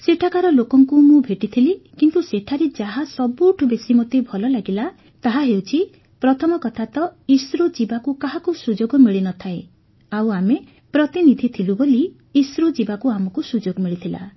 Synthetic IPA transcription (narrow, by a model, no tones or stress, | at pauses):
seʈʰakaɾɔlokɔŋkumũbʱeʈit̪ʰilikint̪useʈʰaɾed͡ʒaɦasɔbuʈʰubesimɔt̪ebʱɔlɔlaɡila | t̪aɦaɦewt͡ʃʰi | pɾɔt̪ʰɔmɔkɔt̪ʰat̪ɔisɾud͡ʒibakukaɦakusud͡ʒoɡɔmiɭinɔt̪ʰae | awame | pɾɔt̪inid̪ʱit̪ʰiluboliː | sɾud͡ʒibakuamɔkusud͡ʒoɡɔmiɭit̪ʰila̰